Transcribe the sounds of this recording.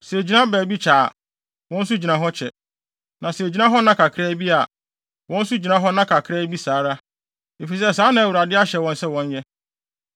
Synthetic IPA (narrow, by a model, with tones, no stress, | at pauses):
sɛ˨d͡ʑi˨nã˦bæː˨bi˦t͡ɕʰaː˨ | wɔ̃˦n̩˦s̬u˦d͡ʑi˨nã˨ɦɔ˦t͡ɕʰɛ˨ | nã˨sd͡ʑi˦nã˦ɦɔ˦nã˦kʰa˨kʰɾɛː˦bi˦a˨ | wɔ̃˦n̩˦su˦d͡ʑi˨nã˦ɦɔ˦nã˦kʰa˨kʰɾɛ˦bi˦saː˨˦ɾa˦ | e˨fi˨s̬ɛ˦˨sãː˨˦nã˨æ˨wu˨ɾa˨dɪ˦a˦ɕɛ˨wɔ̃˦nsɛ˦wɔ̃˦ɲ˦jɛ˦